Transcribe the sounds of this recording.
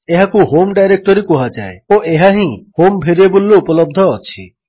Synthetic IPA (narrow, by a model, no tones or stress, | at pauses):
eɦakuɦomɖajɾek̚ʈɔɾikoɦad͡ʒaeoʔeɦaɦĩhombʱeɾebolːoupɔlɔb̚d̪ʱɔɔt͡ʃʰi